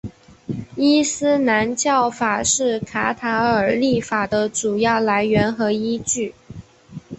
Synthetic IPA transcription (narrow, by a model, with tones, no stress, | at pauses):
i˥sɹ̩˥na˧˥nt͡ɕjɑ˥˩ʊfa˨˩ʂɻ̩˥˩kʰa˧˥t̪ʰa˧˥ə˞˨˩li˥˩fa˨˩d̪ə˦ʈ͡ʂu˨˩jɑ˥˩ʊla˧˥ɪɥɛ˧˥nxɤ˧˥i˥t͡ɕy˥˩